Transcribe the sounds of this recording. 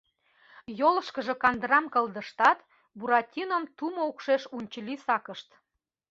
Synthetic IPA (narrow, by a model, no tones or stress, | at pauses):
jolə̆ʃkəʒĕkɑnd̪ɾɑmkəld̪ə̆ʃt̪ɑt̪ | buɾɑtʲinəmt̪umoukʃeʃunʲt͡ɕəlisɑkə̆ʃt̪